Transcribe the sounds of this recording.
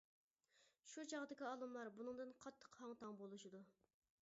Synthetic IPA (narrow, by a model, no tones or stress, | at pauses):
ʃud͡ʒɑʁd̪ɪkʲiɑːlˠɨmlˠɑɾbunɨŋd̪ɨnqʰɑt̪ʰːə̥qhɑŋt̪ʰɑŋbolˠuʃɪd̪u